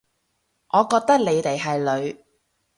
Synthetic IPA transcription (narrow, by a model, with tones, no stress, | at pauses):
ŋʔɔː˨˧kɔː˧k̚t̪ɐ˥k̚le˨˧jt̪e˨jɦɐ˨jlɵ˨˧ɥ